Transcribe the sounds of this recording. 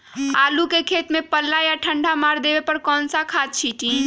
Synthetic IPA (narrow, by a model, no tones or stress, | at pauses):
alukekʰet̪mepəlːajaʈʰəɳɖʱamaɾd̪ebepəɾkɔnsakʰad̪̚t͡ʃʰiʈi